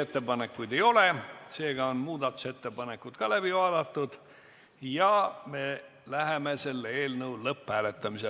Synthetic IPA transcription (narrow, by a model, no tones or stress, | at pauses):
et̪ːe̞bɑnekːˑujd̪e̞jo̞lese̞ːɡ̥ɑonmuːd̪ɑt̪ːˑu̥se̞t̪ːe̞bɑne̞kːut̪kɑlæb̥ivɑːd̪̥ɑt̪ːud̪̥ | jɑme̞ | læɦemese̞lːeeːlnɤwlɤphæːle̞t̪ːˑɑmise